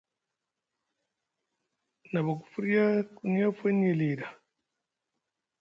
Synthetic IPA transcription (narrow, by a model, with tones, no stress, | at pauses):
na˨βa˨ku̥˨fu˦ɾi˦a˦ku˨ɲ˦a˦fe˦ne˨li˨ɾa˨